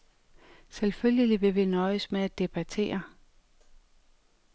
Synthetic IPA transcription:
selføljəliʋe̝ʋenɒ̽ɪəsmeæd̥e̝b̥æt͡sʰe̝̰ːɐ

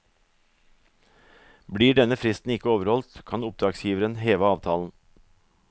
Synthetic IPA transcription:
bɽiːɖɛnəfɾɪst̪n̩ɪkəoːʋəɾhɔlt̪kʰɑnʊp̚d̪ɾɑːɡsjiːʋəɾənheːʋəɑːʋt̪ʰɑːln̩

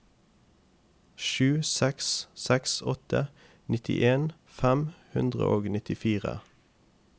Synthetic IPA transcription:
ʃʉːsɛkssɛksɔt̪ʰə | nɪt̪ʰɪ̰ʔeːn | fæmhʉnd̪ʁə̰ʔoːɡnɪt̪ɪfiːʁə̰

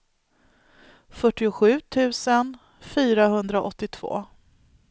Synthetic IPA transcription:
fœʈːɪʊɧʉ̟ːt̪ʰʉ̟ːsən | fyːɾaɦɵnd̪ɾaʔɔt̪ːɪt̪ʰv̥o̰ː

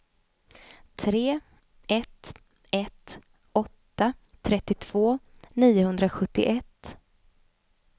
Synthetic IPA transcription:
t̪ʰɾeː | ɛt̪ | ɛt̪ | ɔt̪ːat̪ʰɾɛt̪ːɪt̪ʰv̥oːniːʊɦɵnd̪ɾaɧɵt̪ːɪ̰ʔɛt̪ː

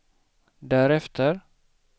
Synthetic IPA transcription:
d̪æɾɛft̪ʰəɾ

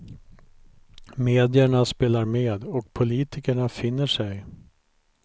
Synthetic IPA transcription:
meːd̪ɪəɳaspeːlaɾmeːd̪ɔk̚pʰʊliːt̪ɪkəɳafɪnːəʂɛj

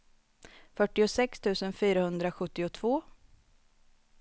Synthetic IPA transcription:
fœʈːɪʊsɛkst̪ʰʉ̟ːsənfyːɾahɵnd̪ɾaɧɵt̪ːɪʊt̪ʰvoː

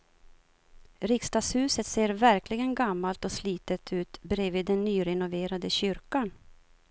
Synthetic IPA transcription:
ɾɪkst̪ɑːshʉ̟ːsət̪seːɾvæɾklɪɡənɡamːalt̪ɔsliːt̪ət̪ʰʉ̟ːt̪bɾeːviːd̪ːɛnːyːɾɛnʊveːɾad̪əɕʏɾkan

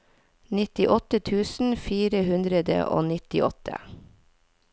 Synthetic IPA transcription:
nɪt̪ɪʔɔt̪ət̪ʰʉːsn̩fiːɾəhʉnd̪ɾəd̪ə̰ʔo̰ːnɪt̪ɪ̰ʔɔ̰t̪ʰə̰

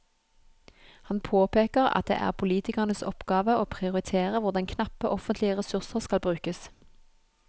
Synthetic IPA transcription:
hɑnpʰoːpeːkəʁɑ̰t̪̚d̪ḛːʔæ̰ːʁpʰʊliːt̪ɪkəʁnəsɔ̰pɡɑːʋəoːpʰʁɪʊʁɪt̪ʰeːʁəʋʊʁd̪ɛŋkʰnɑpəʔɔfənt̪lɪəʁɛsʉʁsəʁskɑlbʁʉːkəs

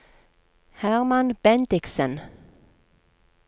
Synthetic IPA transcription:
hæʁmanb̥ɛnd̪ɪksən

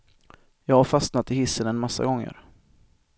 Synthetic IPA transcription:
jɑːɡhaɾfasnat̪ɪhɪsːənɛnmasːa̰ɡɔŋːə̰ɾ

